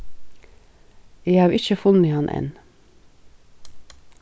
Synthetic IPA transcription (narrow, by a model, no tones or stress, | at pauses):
eːhɑːɾɪçəfʉnəhɑnʔɛ̰n